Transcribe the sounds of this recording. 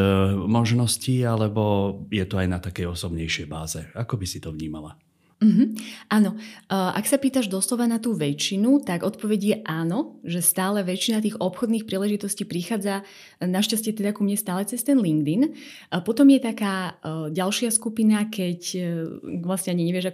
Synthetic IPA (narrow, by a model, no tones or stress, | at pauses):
mɔʒnɔsciːalɛbɔjɛt̪ɔajnat̪akɛjɔsɔbɲɛjʃɪɛjbaːzɛakɔbisit̪ɔvɲiːmala̰ | m̩ɦm̩ʔaːnɔʔa̰ksapiːt̪aʒd̪ɔslɔʋanat̪uːʋɛt͡ʃːinut̪aɡɔt̪pɔʋɛɟjɛʔaːnɔʒɛst̪aːlɛʋɛt͡ʃːinat̪̬iːɣɔpxɔd̪niːxpɾiːlɛʒit̪ɔsciːpɾixaːd͡za | naʃcascɪɛt̪ɛd̪akumɲɛst̪aːlɛt͡sɛst̪ɛnliŋɡd̪in | pɔt̪ɔmjɛt̪akaːɟalʃɪaskupinakɛc | ʋlasɲɛaɲiɲɛʋɪɛʒak